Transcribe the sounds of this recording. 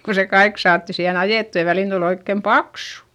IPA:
ko se kɑik sɑːtːi siːhen ɑjeˑtːu jɑ ʋæliˑn tul oikːem pɑksu̥

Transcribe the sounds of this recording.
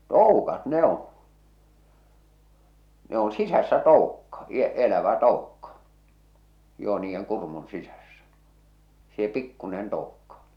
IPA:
toˑukɑt ne on̞ ne on sisæsːæ toˑukːɑ i elæʋæ toukːɑ joː niːjːeŋ kurmun sisæsːæ seː pikːunen toukːɑ

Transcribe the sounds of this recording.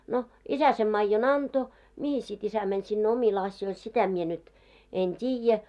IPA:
no isæ sem mɑijːon ɑnto mihis sit isæ mænʲ sinːe omil ɑsjoil sitæ mie nyt en tʲiːjæ

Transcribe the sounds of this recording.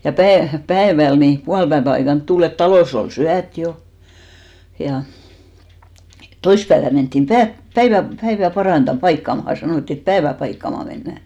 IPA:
jɑ pæe pæeʋæl ni puɑlpæeʋæ ɑikɑnt tul et tɑloˑs ol syæt jo jɑ toispæeʋæn mentːim pæ pæiʋæ pæiʋæ pɑrɑntɑ pɑikːɑmɑhɑ sɑnoˑtːi et pæeʋæ pɑikːɑmɑ menːæˑ

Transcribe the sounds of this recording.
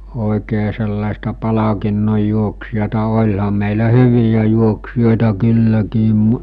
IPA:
oˑi̞keː selːɑˑestɑ pɑlɑkinːoj juoksijɑtɑ olʲhɑm̆ meˑilæ hyʋijæ juoksijoˑetɑ kylːækiːm

